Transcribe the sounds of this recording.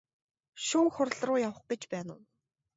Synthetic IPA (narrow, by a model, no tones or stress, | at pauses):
ʃuːxʊrɮrʊːjawə̆χɡet͡ɕpæːnʊ̰ː